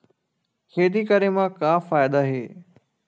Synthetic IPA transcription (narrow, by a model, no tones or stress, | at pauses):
keːd̪ikəɾemãkãːfaːjɪd̪aɦeː